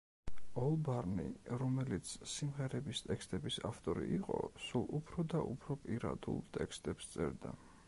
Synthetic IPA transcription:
ɔlˠbaɾnḭɾɔmɛlit̪sʰsimʁɛɾɛbist̪ʼɛkʰst̪ʼɛbisaft̪ʼɔɾḭiqʼɔ̰sulˠupʰɾɔd̪aʔupʰɾɔpʼiɾa̰d̪ṵlˠt̪ʼɛkst̪ʼɛpst̪sʼɛɾd̪a̰

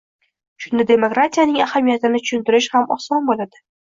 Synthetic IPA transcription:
ʃʊnːɪd̪e̞mokɾat̪ʰijanɪŋahamijat̪ɪnɪt̪ʰʊ̥ʃʊnt̪ɪɾɪʃhamɒsɒnbolad̪̥ɪ

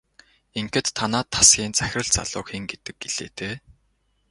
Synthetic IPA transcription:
eŋkɘ̆t̪ʰːanaːt̪ʰːḁsɡʲiːnt͡sæxʲrə̆ɮt͡sa̰ɮʊ̰ːxiːŋɡet̪ɘ̆k̚ɡeɮ̥ḛːt̪ʰeː

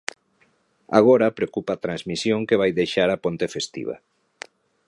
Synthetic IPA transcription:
a̰ɣ̞oɾɐpɾeokupat̪ɾanzmisjõŋkeβajðejʃaɾapont̪efest̪ḭβa̰

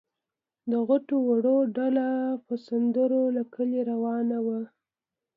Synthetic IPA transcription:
d̪əɣaʈowaɽoɖalapəsand̪əɾolakʰəliɾawɑnawa

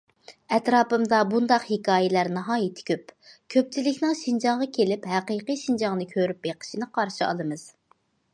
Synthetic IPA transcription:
ɛt̪ɾɑːpɨmd̪ɑbund̪ɑqhikʰɑːjɪlæɾnɑɦɑːjit̪ʰɪ̥kʲʰøpkʲʰøp̚t͡ʃʰilɪkʲnɪŋʃind͡ʒɑŋʁɑkʲʰelɪpɦæqiːqiʃind͡ʒɑŋnɨkʲʰøɾyp̚beqʰə̥ʃinɨqʰɑɾʃiɑ̰lˠɨmɨz̥

